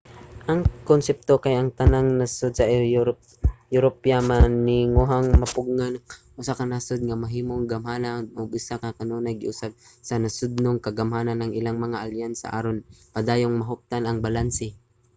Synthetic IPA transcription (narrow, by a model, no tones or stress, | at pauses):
ʔɐŋkonsɛp̚t̪okajʔɐŋt̪anaŋnasod̪̚sɐ | jʊɾopjamanɪŋoɦaŋmɐpʊɡŋanʔʊsakɐnasod̪̚ŋamɐɦiːmoŋɡɐmhaːnanʔoɡ̚ʊsakakɐnonajɡɪʔʊsab̚sɐnɐsʊd̪̚noŋkɐɡɐmhaːnanːɐŋʔɪlaŋmɐŋaʔaljansɐ̰ʔa̰ːɾonpɐd̪aːjoŋmɐɦʊp̚t̪anɐŋbalansɪ